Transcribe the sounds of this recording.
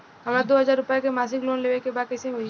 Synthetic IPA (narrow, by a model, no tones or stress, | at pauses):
ɦɐmɾad̪oːɦɐzaːɾːʊpjakemaːs̬ɪkloːnleːʋekebaːd̪̚kəsĩɐi